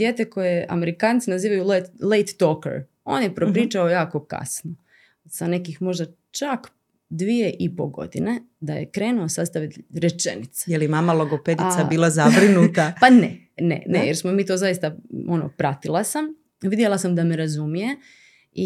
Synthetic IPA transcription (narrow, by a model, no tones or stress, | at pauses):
d̪jeːt̪eko̞jea̰me̞ɾikaːnt̪sinaziːʋajullejt̪ːokḛɾ | o̞̰ːnjepɾopɾiːt͡ʃaojaːko̞ka̰sno | sane̞kixmo̞ʒd̪a | t͡ʃak | d̪ʋije̞ʔipoɡo̞̰d̪ine̞ | d̪aje̞̰kɾe̞ːnuosast̪aʋit̪ɾet͡ʃenit̪sḁjelmamalˠoɡoped̪isabiːlˠazabɾinut̪apanḛ | nḛnejeɾsmomiːt̪o̞ːzajist̪ao̞no̰pɾat̪ilˠasam | ʋid̪jelˠasamd̪ameɾazumije̞ | i